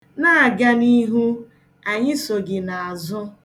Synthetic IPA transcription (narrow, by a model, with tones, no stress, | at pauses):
na˦a˨ɡa˦ni˦ɦu˦ | a˨ɲɪ˦so˨ɡɪ˨na˨a˨zʊ˦